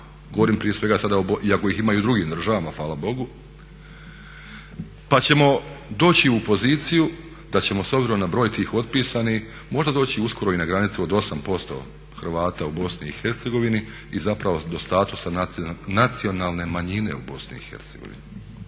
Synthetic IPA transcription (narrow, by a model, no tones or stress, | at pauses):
ɡoo̞ɾiːmpɾijesʋe̞ɡasad̪aoboʔiako̞jiximajud̪ɾuɡiːmd̪ɾ̩ʒaʋamafʋaːlˠabo̞ɡu | pat͡ɕe̞mo̞d̪o̞ːt͡ɕiupo̞ziːt̪siju | d̪at͡ɕe̞mo̞sobziɾo̞mnabɾo̞ːjt̪iːxo̞d̪piːsanix | mo̞ʒd̪ad̪o̞ːt͡ɕiusko̞ɾo̞inaɡɾanit̪sio̞d̪o̞sampo̞st̪o̞̰ | xr̩ʋaːt̪aubo̞sniːxeɾt̪se̞ɡo̞ʋini | izapɾaʋo̞d̪o̞st̪aːt̪usananat̪sio̞naːlˠne̞maɲine̞̰ubo̞snḭixe̞̰ɾt̪seɡo̞̰ʋḭni